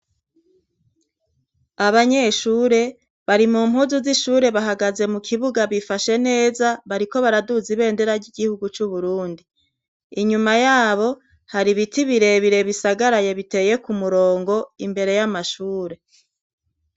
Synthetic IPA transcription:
aβaɲe̞ʃuːɾe̞ | βaɾimum̥huzuziʃuːɾe̞βaɦaɡaze̞mukʰiβuɡaβifaʃe̞ne̞ːzaβaɾiko̞βaɾaduziβe̞ːnde̞ɾaɾɟiɡihuɡut͡ʃuβuɾuːndiː | ɲumajaːβo̞ | haɾiβitiβiɾe̞βiɾe̞βisaɡaɾaje̞βite̞ːje̞kumuɾo̞ːŋɡo̞imbe̞ɾe̞jamaʃuːɾe̞

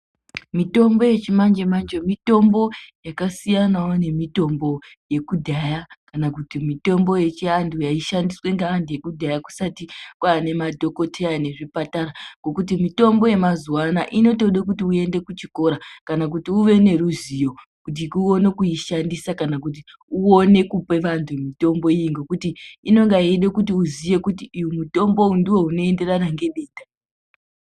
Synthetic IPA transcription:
mito̞mbo̞je̞t͡ʃimand͡ʒemand͡ʒemito̞mbo̞jakasijanawone̞mito̞mbo̞ | je̞kudʱajakanak̬utimito̞mbo̞je̞t͡ʃiandujaiʃandiswe̞ŋɡaːnduje̞kudʱajaku̥satikwaːne̞madʱo̞ko̞tʰeane̞ʐipataɾaŋɡo̞kut̬imito̞mbo̞je̞mazuwanaʔino̞to̞ɗekutiue̞nde̞kut͡ʃiko̞ɾakanak̬utiuʋe̞ne̞ɾuzijo̞ | kut̬ikuone̞kuiʃandisakanak̬ut̬i | uone̞kupe̞ʋantʰumito̞mbo̞ijiŋɡo̞kutiino̞ŋɡaieɗekutiuzije̞kutiujumuto̞mbo̞undiwo̞uno̞e̞nde̞ranaŋɡe̞ɓe̞ːta

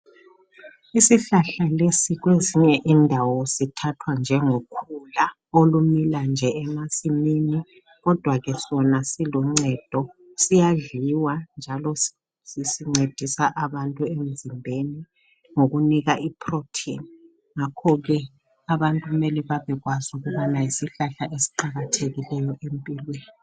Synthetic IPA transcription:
isiɬaɬalesiɣweziɲɛʔindʱawɔsitʰatʰwand͡ʒʱɛŋokʰula | olumiland͡ʒʱɛɛmasimini | ɣɔd̥ʱwaɣɛsɔnasilɔŋ͡ǀɛd̥ʱɔ | sijaɮiwand͡ʒʱalɔ | sisiŋ͡ǀed̥ʱisaʔaβantʼuem̩zimbʱeni | ŋoɣuniɣaʔipʰrotʰḭni | ŋakʰɔɣɛ | aβantʼuumɛlɛβaβɛɣwazuɣuβɔnajisiɬaɬaʔesi̥ǃaɣatʰeɣilɛjɔʔempʼilweːni

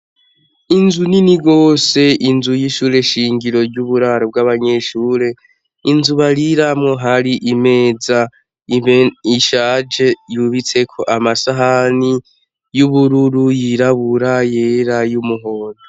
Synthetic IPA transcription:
inzuniniɡo̞ːse̞ʔinzujiʃuːɾe̞ʃiːŋɡiɾo̞ɾɟuβuɾaɾo̞b̚ɡwaβaɲe̞ʃuːɾe̞ | inzuβaɾiɾamŋo̞ɦaɾiʔime̞ːza | iiʃaːd͡ʒe̞juβit͡se̞kʰo̞ʔamasaɦani | juβuɾuɾujiɾaβuɾaje̞ɾajumuɦo̞ːno

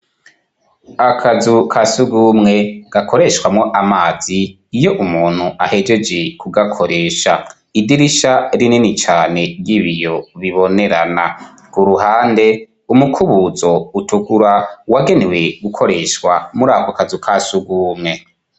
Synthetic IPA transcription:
akʰazukʰasuɡumŋe̞ɡ̥akʰo̞ɾe̞ʃkwamŋo̞ʔamaːz̥iː | jo̞ʔumuːn̥huʔahe̞d͡ʒe̞d͡ʒe̞kʰuɡakʰo̞ɾe̞ːʃa | idiɾiʃaɾininit͡ʃaːne̞ɾɡiβijo̞βiβo̞ne̞ɾana | kuɾuɦaːnde̞ | umukʰuβuzo̞utuɡuɾawaɡe̞newe̞ɡukʰo̞ɾe̞ʃkwa̰muɾaːkakazukʰasuɡuːmŋe̞

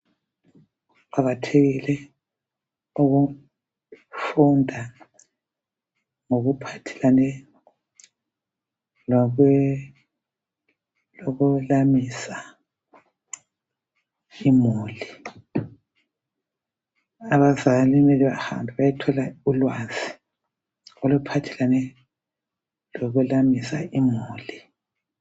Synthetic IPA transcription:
aβatʰeɣilɛ | oɣu | fundʱa | ŋoɣupʰatʰɛ̥lanɛ | lɔ | lɔɣulamisa | imuːli | aβazalinɛliβaha̰mbʱiβajitʰɔlaulwaːzi | olupʰatʰɛlanɛ | lɔɣulamisaʔimuːli

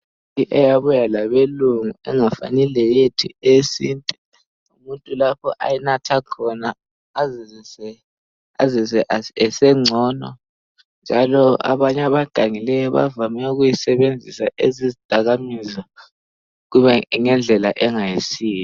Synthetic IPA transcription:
iʔɛjaβujalaβeluŋuɛŋafa̰nilɛjetʰiesiːntʼɛ | umuntʼulapʰɔʔa̰jɛnatʰakʰɔnaː | zisɛ | azizɛʔaɛsɛŋ͡ǀʱɔnɔ̰ | nd͡ʒʱalɔa̰βaɲaβaɡ̥ʱaŋilɛjɔβa̰vamɛuɣujisɛβend͡zʱisaʔezizid̥ʱaɣamiza | ɣuβɛŋɛnd͡ɮʱɛlaʔɛŋajisiːjɔ

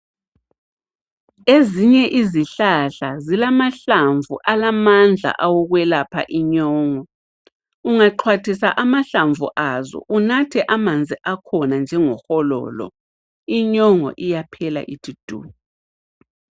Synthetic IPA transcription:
eziɲɛʔiziɬaɬazilamaɬaɱvṵʔalamand͡ɮʱa̰ʔawɔɣwɛlapʰa̰ʔiɲɔːŋɔ | uŋaǃʰwatʰisaʔamaɬaɱvṵʔazɔ̰ʔunatʰɛʔamand͡zʱiʔakʰɔnand͡ʒʱɛŋɔxɔlɔ̰ːlɔ̰ | iɲɔŋɔ̰ʔijapʰɛla̰ʔid̥ʰʱid̥ʱṵːu

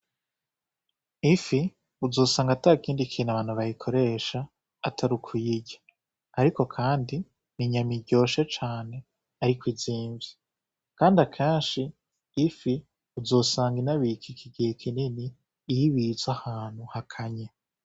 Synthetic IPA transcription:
ifi | uzo̞ːsaːŋɡataːikiːndikʰiːnaβaːnhuβajikʰo̞ɾe̞ːʃaː | tʰaɾukʰujiɟa | aɾiko̞kʰaːndi | niɲamiɟo̞ːʃet͡ʃaːne̞ | aɾikwiziːɱvi | kaːndakʰeːnʃiː | fi | uzo̞ːsaːŋɡinaβikʰikʰiɡihekʰininiː | jiβizwahaːn̥huhakʰaɲe

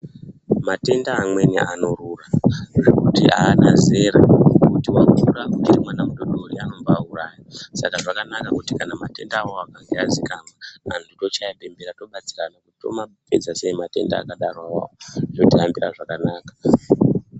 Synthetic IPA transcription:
mate̞ndaːmwe̞nḭʔano̞ruːraʐekutḭa̰ːnaze̞ɾakutiwakuɾakut͡ʃiɾimwanamuɗoɗoriano̞mbaːuraːjasakaʐakanakakutikanamate̞ndaːwo̞akaŋɡeazikamaa̰ndito̞t͡ʃajape̞mbeɾato̞ɓat͡siranakutito̞̰mape̞d͡zaseimate̞̰nda̰ːkaɗarwawa̰otodʱiambira̰ʐakanaːkḁ

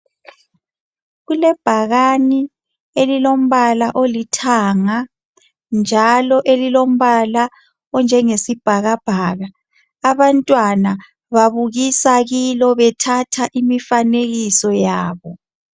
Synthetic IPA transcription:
ɣulɛb̥ʱaɣani | elilom̩βalaʔolitʰaːŋa | nd͡ʒʱalɔʔelilom̩βala | ɔnd͡ʒʱɛŋesib̥ʱaɣab̥ʱaːɣa | aβantʼwana | βaβuɣisaɣilɔβɛtʰatʰaʔimifaneɣisɔjaːβɔ

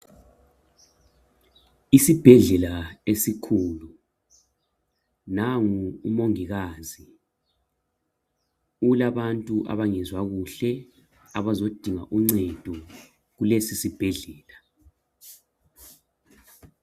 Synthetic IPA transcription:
isib̥ʱɛɮɛlaesikʰuːlu | naŋuːmoŋiɣaːzi | ulaβantʼuʔa̰βaŋɛzwaɣuɬɛ | aβazod̥ʱiŋaʔuŋ͡ǀɛd̥ʱɔ | ɣulesisib̥ʱɛɮɛːla

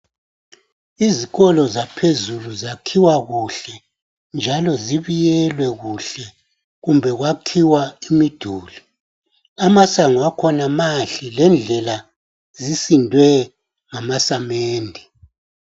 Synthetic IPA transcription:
iziɣɔlɔzapʰezuluzakʰiwaɣuɬɛ | nd͡ʒʱalɔziβijɛlwɛɣuɬɛ | ɣumbʱɛɣwakʰiwaimid̥ʱuːli | amasaŋuwakʰɔnamaɬilɛnd͡ɮʱɛla | zisindʱwɛ | ŋamasameːndʱi

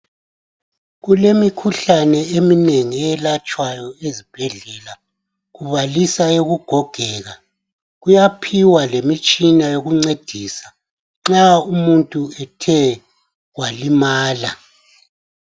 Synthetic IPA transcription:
ɣulemikʰuɬanɛemineŋiɛɛlat͡ʃʼwajɔezib̥ʱɛɮɛla | ɣuβalisaeɣuɡ̥ʱɔɡ̥ʱɛːɣa | ɣujapʰiwalemit͡ʃʼinajoɣuŋ͡ǀed̥ʱiːsa | ŋ͡ǁaumuntʼuɛtʰɛ | walimaːla

